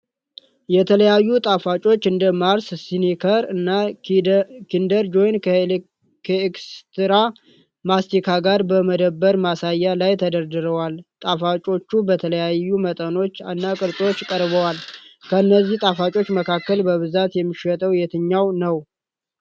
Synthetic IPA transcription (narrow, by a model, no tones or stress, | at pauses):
jɛt̪ʰələjajːut̪ʼafat͡ʃʼo̞t͡ʃːɨnd̪əmaɾssinikʰəɾɨnːa | kʰind̪əɾd͡ʒo̞jn | kʰekst̪ɨɾa | mast̪ikʰaɡaɾbəməd̪əbːəɾmasajːalajt̪ʰəd̪əɾd̪ɨɾəwalt̪ʼafat͡ʃʼo̞t͡ʃːubət̪ʰələjajːumət̪ʼəno̞t͡ʃːanːakʼɨɾt͡sʼo̞t͡ʃːkʼəɾbəwalkʰəɨnːəzːiht̪ʼafat͡ʃʼo̞t͡ʃːməkʰakːəlbəβɨzat̪jɛmːiʃɛt̪ʼəwjɛt̪ʰɨɲːawnəw